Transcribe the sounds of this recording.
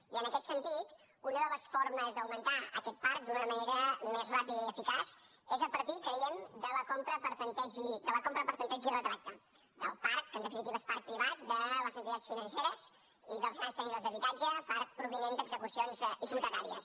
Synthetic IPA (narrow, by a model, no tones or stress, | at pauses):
iənəkɛt̪sənt̪it̪ | unəðələsforməzðəwmənt̪aə̰kɛt̪̚paɾk̚d̪unəməneɾəmezrapiðəiəfikas | ezəpəɾt̪ikəiɛmd̪ələkompɾəpəɾsənt̪ɛd͡ʒid̪ələkompɾəpəɾsənt̪ɛd͡ʒirət̪ɾak̚t̪ə | d̪ə̰lˠpaɾk̚ənd̪əfinit̪iβespark̚pɾiβat̪̚d̪ələzənt̪it̪att͡sfinənseɾəz | iðəlˠzɣanst̪əniðozðəβit̪ad͡ʒəpaɾk̚pɾuβinend̪əɡzəkusionziɣut̪ət̪aɾiə̰s